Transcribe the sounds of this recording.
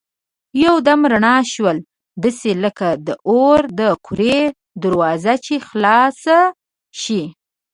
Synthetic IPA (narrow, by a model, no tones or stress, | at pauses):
jawd̪amɾaɳɑʃwəl | d̪əseləkad̪əʔoɾd̪əkʰʊɾe | d̪əɾwɑzat͡ʃexlɑsa | ʃi